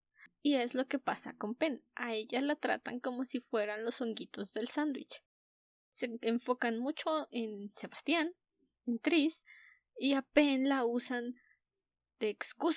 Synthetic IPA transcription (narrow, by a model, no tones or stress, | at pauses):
ieslokepasa̰kompenʔaeʝalat̪ɾa̰t̪a̰ŋkomosifweɾanlosoŋɡit̪ozðelsand̪wḭt͡ʃ | seeɱfokanmut͡ʃoenseβast̪jan | ent̪ɾis | iapenlausan | d̪̥eːkskus